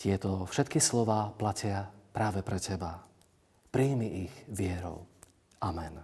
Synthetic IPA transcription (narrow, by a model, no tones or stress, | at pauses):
cɪɛt̪ɔfʃɛt̪kislɔʋaːplacɪapɾaːʋɛpɾɛcɛba | pɾiːmiʔiɣʋɪɛɾɔ̰ʊ | ʔamɛn